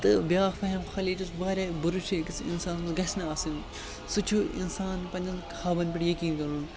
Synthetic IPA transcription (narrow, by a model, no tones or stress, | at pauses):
t̪ɨbjaːxfɐɦɐmxɐliːt͡ʃusbaːɾʲabɐɾuʃekisḭnsaːnsɡɐsʲnɐaːsin | sut͡ʃʰuḭnsaːnpɐnʲd͡ʒɐnkʰaːbɐnpiʈjɐkiːnkɐɾuːn